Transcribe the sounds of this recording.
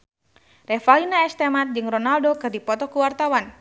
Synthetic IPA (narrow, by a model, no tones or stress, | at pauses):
rɛfalinaɛst̪ɛmat̪̚d͡ʒɨŋrɔnaldokɨrdipɔt̪ɔkuwart̪awan